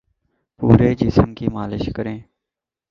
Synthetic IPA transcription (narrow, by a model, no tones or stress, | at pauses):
puːɾeːd͡ʒisəmkiːmaːlɪʃkəɾẽː